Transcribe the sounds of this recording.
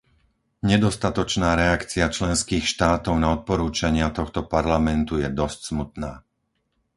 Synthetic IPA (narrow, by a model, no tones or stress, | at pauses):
ɲɛd̪ɔst̪at̪ɔt͡ʃnaːɾɛakt͡siat͡ʃlɛnskiːxʃt̪aːt̪ɔʊnaɔt̪̚pɔɾuːt͡ʃaɲɪat̪ɔxt̪ɔpaɾlamɛnt̪ujɛd̪ɔscsmut̪naː